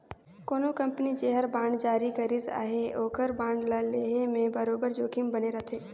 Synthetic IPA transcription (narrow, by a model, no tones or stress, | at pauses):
koːnokɐ̃mpənit͡ʃeɦəɾbãːɳɖd͡ʒaːɾikɐɾiza̰ːɦeoːkəɾbãːɳɖlaleːɦemẽbəɾoːbəɾd͡ʒoːkimbɐneɾɐt̪ʰeː